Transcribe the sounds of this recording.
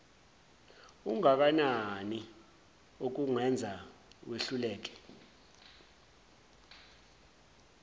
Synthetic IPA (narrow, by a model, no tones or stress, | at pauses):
uŋak̬anani | ok̬uŋɛnd͡zʱaweɬulɛːk̬ɛ̥